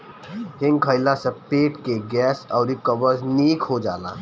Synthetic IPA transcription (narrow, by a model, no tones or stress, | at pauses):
ɦɪ̃ŋɡkʰəɪlasə̃peːʈkeɡɛːsɔːɾikəbəɾzniːkɦod͡ʒaːla̰